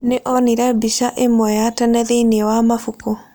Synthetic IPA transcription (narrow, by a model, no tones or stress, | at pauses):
neʔɔniɾɛbiʃaʔemwɔjatanɛðeiniɛwamafuko